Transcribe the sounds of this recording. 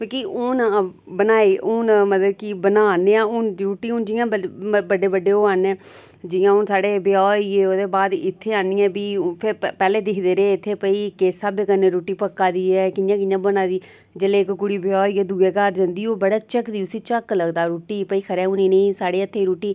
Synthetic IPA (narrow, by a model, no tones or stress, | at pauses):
õːkiːʊn | bənaːeːʊnmət̪ləb̚kibənaːneːãːʊnɾoːʈːiːʊnd͡ʒɪjãːəbəɖeːbəɖeːoːanɛ̃ː | d͡ʒɪjãːʊnsaːɽeːbɪɔːieːoːd̪eːbaːd̪ɪt̪ʰːeːaːniːɛ̃ːbiːpʰɪɾpɛːleːd̪ɪkʰd̪eːɾeːɪt̪ʰːeːpəiːkeːsaːbeːkənːeːɾoːʈːiːpəkːaːd̪iːɛːkɪjãːk̬ɪjãːbənaːd̪iː | d͡ʒəleːkɡʊɽiːbɪɔːiːeːd̪uɡeːkəɾd͡ʒãːnd̪iːoːbəɽaːt͡ʃəkd̪iːʊsiːt͡ʃəkləɡd̪aːɾoːʈiːpəiːkʰəɾɛːʊniːnə̃ĩːsaːɽeːət̪ʰːeːɾoːʈiː